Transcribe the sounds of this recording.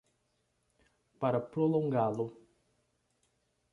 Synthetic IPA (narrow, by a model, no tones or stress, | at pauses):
paɾɐpɾolõŋɡalʊ